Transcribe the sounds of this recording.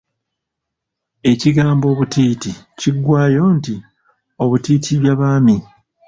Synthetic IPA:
e̞ciɡaːmbo̞ːβutiːti | ciɡwaːjo̞ːnti | o̞βutiːtʰiβjaβaːmi

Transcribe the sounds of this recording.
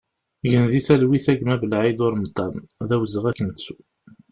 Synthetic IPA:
ʝənðisælwiθæɡmævəlʕiðʊɾmət̪ˤːɑmðæwzəʁækːənt͡sːu̥

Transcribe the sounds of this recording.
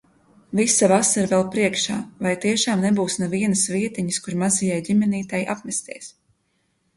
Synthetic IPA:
visavasaɾvɛlˠpɾiɛkʃaːvajt̪iɛʃaːmnebuːsnɛviɛnɨsviɛt̪iɲiskuɾmazijajɟimɛniːt̪ajʔa̰pmɛst̪iɛs

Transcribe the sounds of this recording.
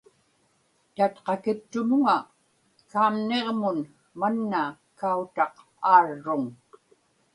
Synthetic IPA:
t̪at̪qɑkɪpt̪ʊnʊŋa | kaːmneʁmʊn | manːa | kaut̪ɑq | aːrːʊŋ

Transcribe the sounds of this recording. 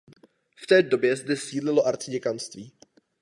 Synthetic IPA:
ft̪ɛːdo̞bjɛzd̪ɛsiːdlɪlo̞ʔaɾt͡sɪɟɛkanst̪viː

